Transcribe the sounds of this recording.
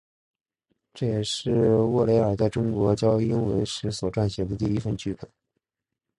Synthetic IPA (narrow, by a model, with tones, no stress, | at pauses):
ʈ͡ʂɤ˥˩jɛ˨˩ʂɻ̩˥˩wɔ˥˩le˧˥ɪə˞˨˩t͡sa˥˧ɪʈ͡ʂʊ˥ŋkwɔ˧˥t͡ɕjɑ˥ʊi˥nwə̰˧˥nʂɻ̩˧˥swɔ˨˩ʈ͡ʂwa˥˩nɕjɛ˨˩d̪ə˧t̪i˥˧i˥fə˥˧nt͡ɕʰy˥pə˨˩˦